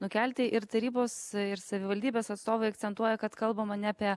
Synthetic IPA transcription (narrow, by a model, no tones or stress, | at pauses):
nʊkʲælʲt̪ʲɪʔɪɾt̪ɐɾʲiːboːsɪɾsɐʋʲɪʋɐlʲd̪ʲiːbʲeːsɐt̪st̪oːʋɐɪɐk̚tt͡s̪ʲɛnt̪uɔjɛkɐt̪kɐlˠbɐmɐnʲɛɑːpʲiɛ